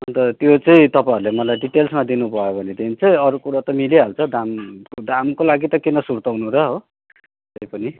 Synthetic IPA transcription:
ʌnt̪ʌt̪jot͡sʌĩt̪ʌpaiɾulemʌlajɖiʈelsmad̪inubʱʌjobʱʌnet̪ent͡sʌĩʌɾukuɽat̪ʌmiliɦalt͡sʰʌd̪amd̪ʱamkolaɡit̪ʌkenʌsuɾt̪ʌwnuɾʌɦo | t̪ʌjpʌni

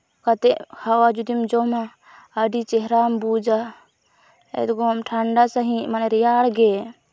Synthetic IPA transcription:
kat̪ɛʔhawad͡ʒud̪imd͡ʒɔmaː | ɖit͡ʃɛɦɾambud͡ʒa | ɛ̰d̪ɡɔmʈʰaɳɖasaɦĩmanɛɾijaɽɡɛ

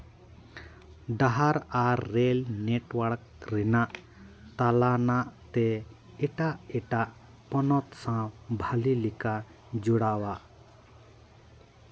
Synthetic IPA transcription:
ɖaɦaɾaːelneʈwəɽk̚ | ɾinaʔ | t̪alanaʔt̪e | eʈaʔeʈaʔ | pɔnɔt̪sãbʱalilika | d͡ʒuɽawa

